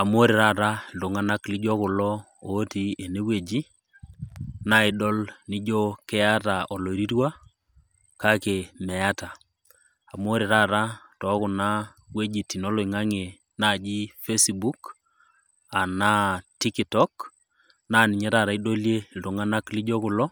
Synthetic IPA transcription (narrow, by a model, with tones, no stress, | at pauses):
a˨m˦o˦ɾi˨ɾa˦˨ɾa˦lto˨ŋa˦na˦kli˦d͡ʒɔ˦kʊ˨lɔ˦o˨˦ti˦e˨ne˦we˨d͡ʒi˦ | na˦ɪ˨ɗɔ˦lni˦d͡ʒo˦kɛ˦a˦ta˨ɔ˨lo˨ɾi˦ɾwa˦ | ka˦ke˨mɛ˨a˦ta˨ | a˨m˦o˦ɾe˨ɾa˦˨ɾa˦tɔ˨˦kʊ˨na˦ | we˦d͡ʒi˨ti˨no˦lɔ˨i˨ŋa˦ŋe˨ | na˦˨d͡ʒi˦fe˦sbu˦k | a˨na˦ti˦kitɔ˦k | na˦nɪ˨ɲɛ˦ɾa˨ɾa˨˦i˦do˦lje˦ltu˨ŋa˦na˦kli˦d͡ʒɔ˦kʊ˨lɔ˦